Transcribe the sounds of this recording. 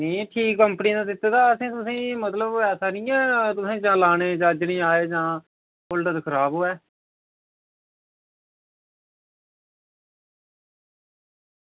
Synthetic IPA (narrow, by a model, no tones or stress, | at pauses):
nĩːʈʰiːkːəmpəniːd̪ãːd̪ɪt̪ːeːd̪aːəsẽːt̪ʊsĩːmət̪ləbɛːsaːnĩːɛ̃ːt̪ʊsĩːd͡ʒãːlaːñeːd͡ʒãːd͡ʒnĩːaːeːd͡ʒãː | pʊlʈəd̪kʰəɾaːbɦoːɛː